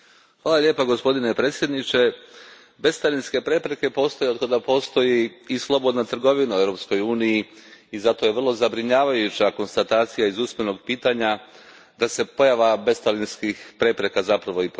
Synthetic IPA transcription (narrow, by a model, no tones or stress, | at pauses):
xʋaːlalʲje̞ːpaɡo̞spo̞d̪inepɾe̞ːt̪sʲjed̪nit͡ʃe̞ | be̞st̪alinske̞pɾe̞pɾe̞ke̞po̞ːst̪o̞jeod̪kad̪apo̞ːst̪o̞jiːslˠo̞bo̞d̪nat̪r̩ɡo̞ʋinauevɾo̞psko̞juːnijiizat̪o̞je̞ʋrlˠo̞zabɾiɲaːʋajut͡ɕako̞nst̪at̪aːt̪sijaizuːsme̞no̞ɡpiːt̪aɲa | d̪ase̞po̞jaʋabe̞st̪alinskixpɾe̞pɾe̞kazapɾaʋo̞ip